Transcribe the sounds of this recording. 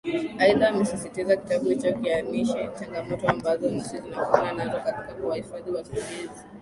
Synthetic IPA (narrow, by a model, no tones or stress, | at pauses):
aiðaːmɛsisitizaki̥taɓuit͡ʃɔkianiʃɛt͡ʃaŋɡamɔtɔambazɔsizinakuananazɔkati̥kaɓuwahifaðiwakuɡɛzi